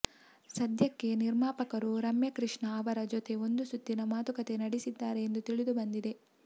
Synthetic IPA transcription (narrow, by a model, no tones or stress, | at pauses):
sɐd̪ʱjɐkːe̞niɾmaːpɐkɐɾuɾɐmjɐkɾiʂɳɐːʋɐɾɐd͡ʒot̪e̞o̞nd̪usut̪ːinɐmaːt̪ukɐt̪e̞nɐɽisid̪ːaːɾe̞ːnd̪ut̪iɭid̪ubɐnd̪id̪e̞